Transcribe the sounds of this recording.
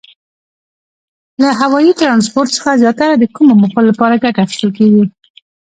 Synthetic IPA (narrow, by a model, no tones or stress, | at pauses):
laɦawɑjit̪ɾɑns̬poɾt̪sə̥xazjɑt̪aɾad̪əkumoməxollapɑɾaɡaʈaxi̥st̪əlkeɡi